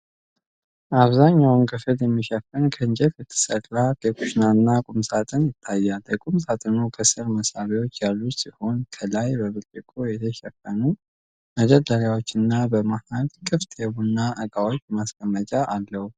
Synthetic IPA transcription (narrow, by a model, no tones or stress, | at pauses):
ʔaβzaɲːawnkʰɨfɨljɛmːiʃɛfənkʰəɨnd͡ʒɛt̪jɨt̪ʰːɨ̥sətʼːakəkʰʼuʃnanːakʼumsat̪ʼɨnjɪt̪ʰːajːaləkʼumsat̪ʼɨnukʰəsɨɾməsaβiwot͡ʃːjalːut̪siho̞nkʰəlajbəβɨt̪ʼːɨkʼojɛt̪ʰəʃɛfːənu | məd͡ʒɛd̪ːəɾjawo̞t͡ʃːɪnːabəmahalkʼɨft̪ʰʼjɛβunːaʔəkʼawot͡ʃːmaskʰʼəmːət͡ʃʼaʔalːəhu